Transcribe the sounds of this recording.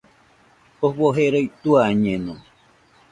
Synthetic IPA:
ohβoɦeɾoit̪uaɲẽnõ

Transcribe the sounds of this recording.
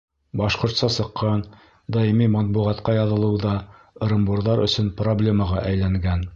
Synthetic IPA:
bɑʃqŏɾt̪sɑsɤ̆qʰːɑn | d̪ɑimimɑt̪̚buʁɑt̪qɑjɑðɤ̆lˠɤ̆wðɑ | ɤɾɤ̆mbuɾðɑɾɵ̰̆sɵnproblʲe̞mɑʁɑʔæjlæŋɡæn

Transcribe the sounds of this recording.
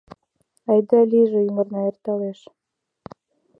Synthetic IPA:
ɑjd̪ɑlʲiʒĕjumə̆ɾnɑert̪ɑleʃ

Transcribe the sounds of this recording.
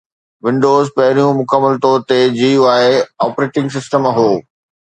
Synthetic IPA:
ʋɪ̃ɳɖoːzpɐɦɪɾijũmʊkəmːəlt̪ɔːɾt̪ed͡ʑiːaːeɔːpɾeːʈɪ̃ŋɡs̬ɪsʈəmɦoː

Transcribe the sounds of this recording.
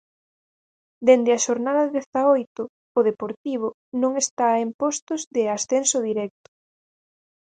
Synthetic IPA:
d̪end̪eaʃoɾnaðɐðeθaojt̪ʊː | ðepoɾt̪iβ̞ʊ | nõŋest̪aempɔst̪ʊzðɪasθensʊðiɾɛk̚t̪ʊ̥

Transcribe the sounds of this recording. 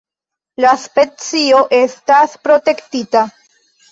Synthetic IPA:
laspe̞t͡sio̞ʔe̞staspɾo̞te̞ktita

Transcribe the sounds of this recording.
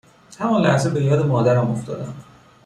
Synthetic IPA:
t̪ʰæmɒːnlæhzebejɒːd̪emɒːd̪æɾhæmoft̪ʰɒ̰ːd̪æn

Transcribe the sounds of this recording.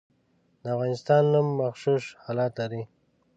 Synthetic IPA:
d̪əafɣɑnɪst̪ɑnːumːaxʃuʃhɑlɑt̪laɾi

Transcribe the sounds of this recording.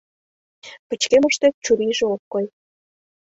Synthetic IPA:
pə̆t͡ɕkemə̆ʃt̪et̪̚t͡ɕuɾiʒeokːoj

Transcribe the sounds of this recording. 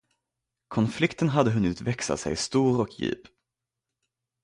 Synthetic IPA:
kʰɔnflɪkt̪ənɦad̪ːəɦɵnːɪt̪vɛksa̰sɛ̰jst̪uːɾɔkjy̰ːp

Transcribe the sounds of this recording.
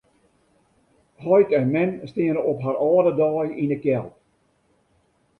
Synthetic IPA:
hɔjtɛnmɛnstiənəʔɔpɦaɾɔːdədɑːjinəkjɛlˠt

